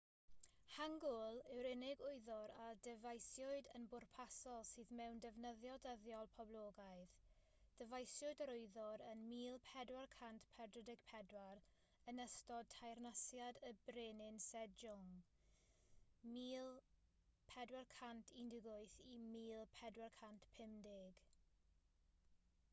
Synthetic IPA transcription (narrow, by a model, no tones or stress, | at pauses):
haŋɡʊlˠɪwɾɪnɪɡʊɨðɔɾadəvajsjʊɨdənbʊrpʰasɔlˠsɨːðmɛwndɛvnəðjɔdəðjɔlˠpʰɔblˠoːɡaɨð | d̥əvajsjʊɨdəɾʊɨðɔɾənmiːlˠpʰɛdwarkʰantpʰɛrdrədɪɡ̥̚pʰɛdwaɾ | ənəstɔd̚tʰajrnasjadəbreːnɪnsɛdd͡ʒʊŋ | miːlˠ | pʰɛdwarkʰantʰindɪɡʊɨθimiːlˠpʰɛdwarkʰantpʰɪmdɪɡ̥